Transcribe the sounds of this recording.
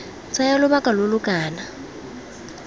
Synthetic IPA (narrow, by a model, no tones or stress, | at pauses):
t͡sʰʼajalʊβakʼalolʊkʼaːna